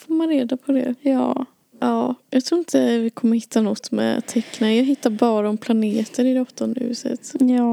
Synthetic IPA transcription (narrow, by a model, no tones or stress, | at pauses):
foːɾmanɾeːd̪apʰɔd̪ɛ̰jɑː | ʔɑːjɑːɡt̪ʰɾuːɾɪnt̪əvɪkʰɔmːəɾhɪt̪ʰːanɔt̪ːmɛ̰t̪ʰɛkːnajɑːɡɦɪt̪ːaɾbɑːɾaɔmpʰlaneːt̪əɾɪd̪ɛɔt̪ːɔnd̪əhʉ̟ːsə̰t̪jɑː